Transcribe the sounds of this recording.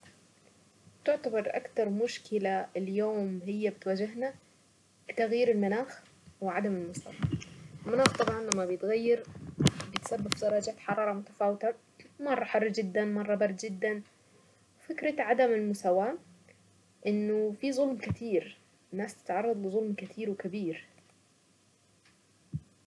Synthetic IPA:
t̪ɪʕt̪abɑɾˤʔa̰kt̪ɑɾˤmʊʃkɪlaɪljoːmhɪjːabɪt̪waːd͡ʒɪɦna | bɪt̪aɣjiːɾɪlmanaːx | wɪʕad̪amɪlmʊsa̰waɪlmanaːxt̪ˤɑbʕɑnlamːabjɪt̪ɣajːɪɾbɪjɪt̪sabːɪbfd̪ɑɾˤɑːd͡ʒaːt̪ħɑɾˤɑːɾˤɑmʊt̪ḁfaːwɪt̪a | mɑrˤːɑħɑrˤːd͡ʒɪd̪ːanmɑrˤːɑbɑɾˤd̪d͡ʒɪd̪ːan | wfɪkɾɑʕad̪amɪlmʊsawaː | ʔɪnːʊfizˤʊlmkɪt̪iːɾ | ɪnːaːst̪ɪ̥t̪ʕɑrˤːɑd̪ˤlɪzˤʊlmkɪt̪ʰiːɾwɪkabiːɾ

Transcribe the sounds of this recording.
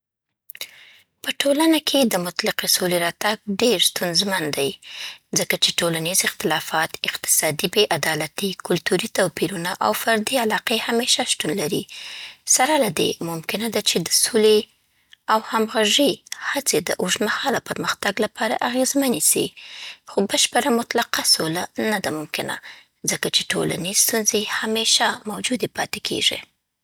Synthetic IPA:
pəʈolanakʰed̪əmʊt̪lɪqesoleɾɑt̪aɡ̚ɖeɾst̪unzmand̪ajzəkat͡ʃeʈolanizɪxt̪ɪlɑfɑt̪ɪqt̪ɪ̥sɑd̪ibeʔad̪ɑlat̪ikʊlt̪uɾit̪awpiɾunaʔawfaɾd̪ialɑqehameʃaʃt̪unlaɾḭsaɾalad̪ḛmʊmkɪnad̪at͡ʃed̪əsole | awhamɣaʐihat͡sed̪ə̰ʔʊʒmahɑlawpəɾməxt̪aɡlapʰɑɾa̰ʔaɣezmanisḭxobəʃpəɾamʊt̪laqasolanad̪amʊmkɪna̰ | zəkat͡ʃeʈʰo̰la̰nest̪unzehameʃamawd͡ʒud̪epɑt̪ekʰḛʐḭ

